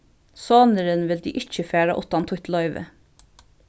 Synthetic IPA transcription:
sɑːnəɾənʋɪld̪iːʔɪc͡çəfæːɹɑ̰ʔʊt̪ɑnt̪ʰwʊt̪lɑʏʋə̰

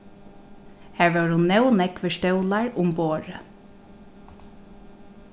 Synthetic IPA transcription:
hæːɹʋɛːɹhʊnːɛwnɛkʋɪʃt̪œwlaɹʊmboːɹə

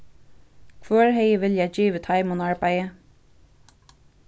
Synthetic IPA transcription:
kʰvœːɹɦɛjəʋɪljad͡ʒiːʋət̪ʰaɪmʊnaɹbajə

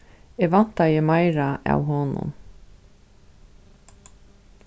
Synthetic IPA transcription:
ɛɣʋan̥t̪ajɪmajɾaʔa̰wɦɔnʊ̰m

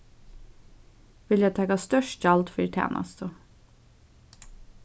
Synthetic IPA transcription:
ʋɪljæt̪ʰɑkɑst̪œʃtd͡ʒɑld̪fœɾt̪ʰæ̰ːnʔɑ̰st̪ʰə

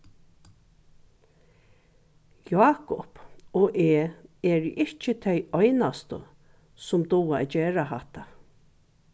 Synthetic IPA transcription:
jaːkɔpɔʔeːɛːɹʔɪht͡ʃət̪ʰœjɔjnast̪ə̰ | sʊmd̪ʊwaɛ̰d͡ʒeːɾaɦaht̪a

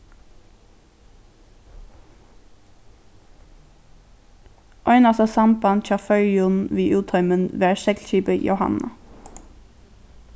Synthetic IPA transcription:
ʔɔʏnɑsɑsɑmpɑnc͡çɑːfœʏʊnʋiːʔʉːt̪ʰɑʏmənʋeːæʃɛk̪c͡çiːpəjʊ̰hɑ̰nɑ̰

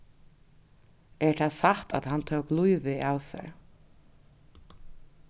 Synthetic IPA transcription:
ɛɹt̪ʰasaht̪a̰t̪hant̪ʰœːwklujʋɪawsɛ̰ɹ

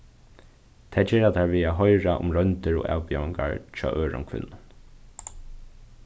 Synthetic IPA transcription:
t̪ʰaːd͡ʒɛːɹat̪ʰaːɹviːaːɦɔjɹaʔʊ̰mɹœnt̪ɪɹo̰ːʔa̰ːwpiaɪŋka̰ɹt͡ʃʰɔ̰ːʔøːɹʊ̰mkʰvɪ̰nːʊn

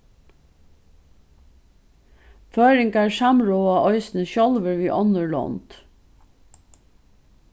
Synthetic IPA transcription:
føːɾɪŋkæɹsɑmɹoːɑʔɔʏsn̩əçɔlʋəɹʋiːʔɔnəɹɭɔ̰nd̪̥

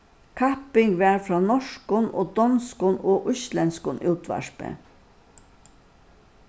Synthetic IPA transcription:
kʰapɪŋɡʋɛːɹfɹɔːnɔʂkʊnʔoːd̪ɔnskʊnoːʔʊslɛnskʊnʔuːt̪ʋa̰ʂpə̰

